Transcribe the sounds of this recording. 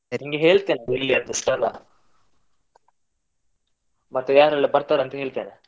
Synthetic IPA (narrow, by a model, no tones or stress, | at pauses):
ɐɾiŋɡeɦeːɭt̪eːneilːiɐnt̪ɐsʈɐla̰ | mɐt̪ːɐjaːɾɐɭːɐbɐɾt̪aːɾɐnt̪ɐɦeːɭt̪eːne